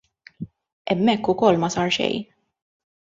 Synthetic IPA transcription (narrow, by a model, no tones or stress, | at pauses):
ɛmːɛkːʊkɔlːmɐsɐɾʃɛ̰j